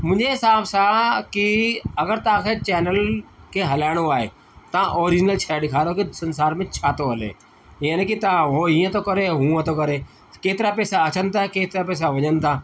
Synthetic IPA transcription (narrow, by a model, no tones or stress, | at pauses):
mʊ̃ːɲd͡ʒeɦɪsaːbsakiɐɡəɾt̪ɐãːkʰeːt͡ʃɛːnəlkʰeɦɐlaːɪɽ̃oaːɦḛː | t̪ãʔoːɾɪd͡ʒɪnəlt͡ʃʰaːɖɪkʰaːɾokisənsaːɾmẽt͡ʃʰaːt̪oɦəlḛː | iːə̃nẽkit̪ãɦoːiːə̃t̪okəɾeɦũːə̃t̪okəɾeː | keːt̪ɪɾapɛːsaɐt͡ʃənt̪ʰakeːt̪ɾapɛːs̬aʋɐɲən̆t̪ʰaː